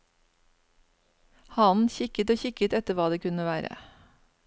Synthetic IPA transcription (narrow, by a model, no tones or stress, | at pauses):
hɑnçɪkət̪oːçɪkət̪ɛt̪əʋɑːd̪eːkʉnəʋæːɾə̰